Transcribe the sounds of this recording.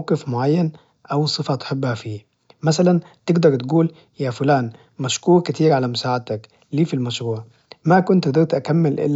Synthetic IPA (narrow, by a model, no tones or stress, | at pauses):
qɪfmʊʕajːan | ʔawsˤɨfat̪ħɪbːhafiː | masalant̪ɪɡd̪ɑɾˤt̪ɡuːl | jafʊlaːn | maʃkuːɾkɪt̪iːɾʕalamʊsaːʕat̪ak | liːfilmaʃɾuːʕ | makʊnt̪ɡd̪ɑɾt̪ʔakamːɪlʔɪ̰lː